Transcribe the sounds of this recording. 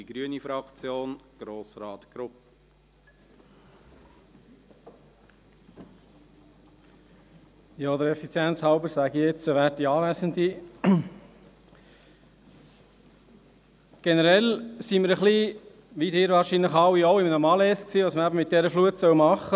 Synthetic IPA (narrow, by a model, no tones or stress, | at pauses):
iɡ̥ɾyənifɾɑkt͡sjoːnɡ̥ɾoːsɾɑːt̪ɡ̥ɾʊp̚ə | jɑːd̪əɾɛfit͡sjɛnt͡shɑʊbəɾsæɡiɪt͡səʋæːd̥iɑːʋæsəndi | ɡ̥ɛnəɾɛlsiməɾəχli | ʋidɪːɾvɑːɾʃiːnləχɑwioʊɪmənəmɑlɛsksiːʋɑːsməɾæbəmɪt̚d̥ɛɾəfluətsœwmɑχə